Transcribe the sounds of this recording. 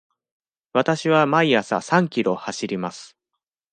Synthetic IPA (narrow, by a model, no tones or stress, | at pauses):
βat̪aɕiβamaiasa̰sãŋkʲiɾo̞haɕiɾʲimasɨ̥